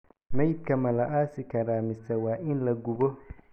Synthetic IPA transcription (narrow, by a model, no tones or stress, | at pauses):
mɛjd̪̚kʰɐmɐlɐʔaːsɪkʰɐɾaːmɪsɐwɑːʔɪnlɐɡʊβɔ